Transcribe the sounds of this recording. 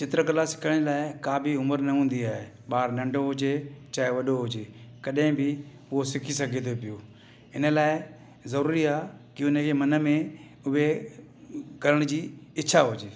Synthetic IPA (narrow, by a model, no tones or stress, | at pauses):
t͡ɕɪt̪ɾəkɐlasɪ̥kʰəɽ̃laːɪkaːbʱɪʊməɾnɐɦũːn̆d̪iaːɦe | ɓaːɾnɐ̃ɳɖʱoɦʊd͡ʑet͡ɕaːɦeʋɐɗoɦʊd͡ʑeːkɐɗɦɪ̃bʱɪ | ʊɦosɪkʰis̬ɐɡʱet̪ʰepijoː | ɪnə̆laːɪ | zɐɾuːɾiaːkɪʊnəkʰeːmɐnə̆mẽ | ʊɦe | ɡʱɐɾəɽ̃d͡ʑiːɪt͡ɕʰaɦʊd͡ʑeː